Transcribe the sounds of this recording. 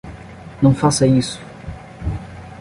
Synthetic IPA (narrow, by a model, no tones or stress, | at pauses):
nɐ̃w̃fasɐisʊ̥